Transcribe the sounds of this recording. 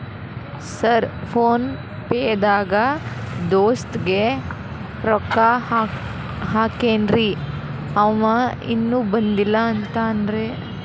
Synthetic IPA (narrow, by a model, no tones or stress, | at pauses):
sɐɾpʰoːn | peːd̪aːɡɐd̪oːst̪ɡe | ɾɔkːa | ɦaːkeːnɾi | ɐmɐḭnːuːbɐnd̪ilːɐːnt̪aːnd̪ɾe